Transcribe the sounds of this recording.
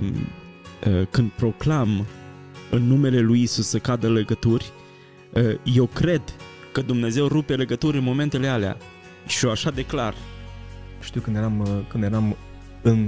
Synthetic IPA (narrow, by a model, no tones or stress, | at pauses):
əkɨnd̪̚pɾo̞klam | ɨnːume̞le̞lujisusːəkad̪əle̞ɡət̪urʲ | əje̞wkɾe̞d̪ | kəd̪umne̞ze̞wrupe̞le̞ɡət̪uɾʲɨnmo̞me̞nt̪e̞le̞alea̰ | ʃioaʃad̪e̞klar | ʃt̪iuwkɨnjeɾamkɨnd̪jeɾam | ɨn